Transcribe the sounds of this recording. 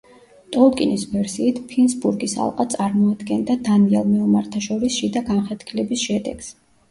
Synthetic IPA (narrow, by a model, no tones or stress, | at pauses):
t̪ʼɔlˠkʼḭnisvɛɾsiːt̪ʰpʰinsbuɾɡisa̰lˠqʼat̪sʼaɾmɔad̪ɡɛnd̪ad̪aniɛlˠmiumaɾt̪ʰaʃɔɾisʃid̪aɡamχɛt̪kʰilɛbisʃɛd̪ɛ̰ɡ̥s